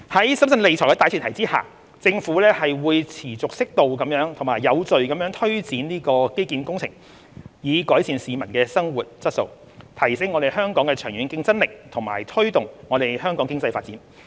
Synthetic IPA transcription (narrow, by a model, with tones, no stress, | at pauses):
hɐ˨˥jsɐ˥msɐ˧nle˨jt͡sʰɔː˨˩jkɛ˧taː˨˧t͡ɕʰːt̪ʰɐ˨˩jt͡siː˥ha̰ː˨˩ | t͡sɪ˧ŋfuː˨˥lɛː˥hɐ˨jwuː˨˧jt͡sʰiː˨˩t͡sʊ˨k̚sɪ˥k̚t̪o˨wkɐ˨˧˥mjœː˨˥ŋt̪ʰmaː˨˩jːɐ˨˧wt͡sɵ˨ɥkɐ˨˥mjœː˨˥ŋt̪ʰɵ˥ɥt͡siː˨˥nniː˥kɔː˧ke˥jkiː˧nkʊ˥ŋt͡sʰɪ˨˩ŋ | jiː˨˧kɔː˨˥jsiː˨˧nsiː˨˧mɐ˨˩nkɛː˧sɐ˥ŋwuː˨t̚t͡sɐ˥t̚so̰˧w | t̪ʰɐ˨˩jsɪ˨˥ŋɔ˨˧ɾe˨jɦœː˥ŋkɔː˨˥ŋkɛː˧t͡ʃʰœː˨˩ŋɥyː˨˥nkɪ˧ŋt͡sɐ˥nlɪ˨k̚t̪ʰʊ˨˩ŋma̰ː˨˩jt̪ʰɵ˥ɥt̪ʊ˨ŋŋɔː˨˧ɾe˨˩jhœː˥ŋkɔː˨˥ŋkɪ˥ŋt͡sɐ˧jfaː˧t̚t͡siː˨˥n